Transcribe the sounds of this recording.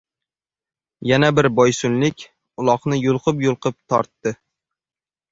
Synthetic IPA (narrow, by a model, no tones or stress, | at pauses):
janabɪɾbɒjsʊnlɪkʲ | ʊlˠɒqnɪjʊlˠqʰɨpjʊlˠqʰɨp̚t̪ʰɒ̰ɾt̪ːɪ